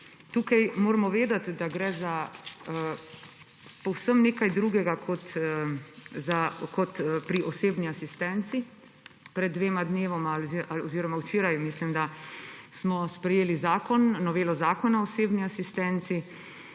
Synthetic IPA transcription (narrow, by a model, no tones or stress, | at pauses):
t̪uːkajmoːɾɛmɔʋeːd̪at̪d̪aɡɾɛza | pɔwsəmneːkajd̪ɾuːɡɛɡakʰɔt̪ | zakɔt̪pɾiʔɔseːbniasist̪ɛnt̪si | pɾɛd̪̚ːʋeːmad̪neːʋɔmalzaɔziːɾɔmawt͡ʃeːɾajmislimd̪asmɔspɾɛjeːlizaːkɔnːɔʋeːlɔzaːkɔnaɔseːbniasist̪ɛnt̪si